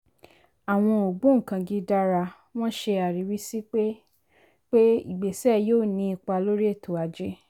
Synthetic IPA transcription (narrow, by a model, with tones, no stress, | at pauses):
a˨w̃ɔ̃˧o˨ɡ͡bũ˨˦ŋ̩˨kã˧ɡi˧da˦ɾa˧ | w̃ɔ̃˦ʃe˧a˨ɾi˨˦wi˦si˦k͡pe˦ | k͡pe˦ḭ˦˨ɡ͡be˨sɛ˦joː˦˨nĩ˧˦i˧k͡pa˧lo˦ɾi˦e˦˨tʰo˨a˨d͡ʒe˦